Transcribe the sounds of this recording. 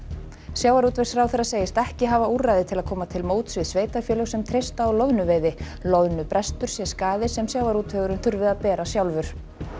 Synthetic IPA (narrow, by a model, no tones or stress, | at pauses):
sjawaɾut̪ve̥sɾawθɛɾrːaseːjɪst̪ɛhcɪɦaːvauːrajðɪt̪ʰɪlaðkʰɔːmat̪ʰɪlmoːwt̪svɪðsveːjt̪afjɛːlœɣsɛmt̪ʰɾejst̪aːwlœvnʏveːjðɪ | lœvnʏpɾʔɛst̪ʏɾ̥sjɛskaːðɪsɛmsjawaɾut̪fœːɣʏɾʏnθʏɾvɪðaðpɛːɾasjawlvʏɾ̥